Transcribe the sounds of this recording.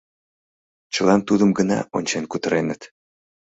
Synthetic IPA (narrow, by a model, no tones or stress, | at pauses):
t͡ɕəlɑnt̪ud̪əmɡənɑ̰ʔonʲt͡ɕenkut̪əɾenət̪